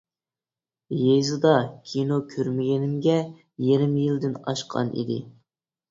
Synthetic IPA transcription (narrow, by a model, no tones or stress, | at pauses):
jejzɨd̪ɑkʲʰinokʲʰøɾmɪɡʲɛnɪmɡʲɛ | jeɾɪmjild̪ɪnɑ̰ʃqʰɑ̰nʔḭd̪ɪ̰